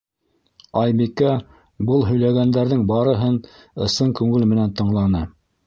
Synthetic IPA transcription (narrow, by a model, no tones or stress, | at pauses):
ɑjbikæ | bɤlˠɦɵ̆jlæɡænd̪æɾðɘŋbɑɾɤ̆ɦɤn | ɤ̆sɤŋkʉŋɘlmɘ̆nænt̪ɤ̆ɴlˠɑnɤ